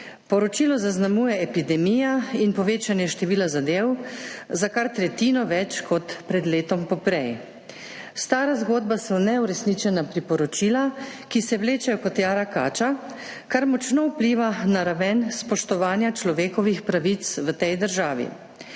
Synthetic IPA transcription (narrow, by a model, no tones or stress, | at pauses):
pɔɾɔt͡ʃiːlɔzaznamuːjɛɛpid̪ɛmiːjainpɔʋeːt͡ʃanjɛʃt̪ɛʋiːlazad̪eːwzakaɾt̪ɾɛt̪iːnɔʋɛt͡ʃkɔt̪pɾɛd̪leːt̪ɔmpɔpɾɛj | st̪aːɾazɡoːd̪̚basɔnɛuɾɛsnit͡ʃɛnapɾipɔɾɔt͡ʃiːlakisɛwleːt͡ʃɛjɔkɔt̪jaːɾaka̰ːt͡ʃa | kaɾmɔt͡ʃnɔwpliːʋanaɾaʋɛnspɔʃt̪ɔʋaːnjat͡ʃlɔʋeːkɔʋixpɾaʋit̪sʋət̪ɛjd̪əɾʒaːʋḭ